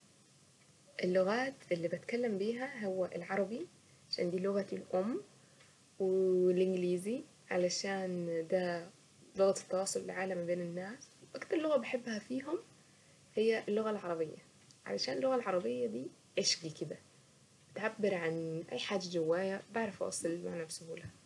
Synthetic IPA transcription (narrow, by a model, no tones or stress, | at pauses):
ʔɪlːʊɣaːt̪ʔɪlːiːbɪt̪kalːambiːɦæɦowːæʔɪlʕɑɾˤɑbi | ʕʕaʃa̰ːnd̪iːlʊɣaɪlʔʊmː | welʔɪnɡliːzi | ʕa̰laʃaːnd̪æ | lʊɣat̪ɪ̥t̪ːɑwɑːsˤolɪlʕaːlamːabeːnɪnːaːswʔakt̪ɑɾˤlːʊɣabɪħebːhæfiːɦʊm | hɪjːæʔlːʊɣalʕɑɾˤɑbɪjːa | ʕa̰laʃaːnelːʊɣalʕɑɾˤɑbɪjːad̪iː | ʕeʃɡikɪd̪æ | bɪt̪ʕabːɪɾʕanʔæ̰jːħaːd͡ʒad͡ʒawːaːjæbaʕɾˤɑfʔɑ̰sˤlma̰ʕnabsʊhuːlhæ